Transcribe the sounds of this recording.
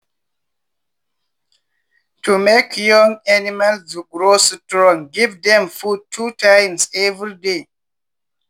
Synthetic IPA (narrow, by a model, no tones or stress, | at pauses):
tʰumekʰjɔ̃ŋanimalsdɡɹostɹɔ̃ŋɡivdɛ̃mfud̚tʰːutʰãjmsɛvɹide